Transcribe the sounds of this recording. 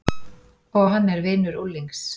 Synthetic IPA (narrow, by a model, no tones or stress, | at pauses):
ɔɣɦanːɛɾvɪːnʏɾulːiŋks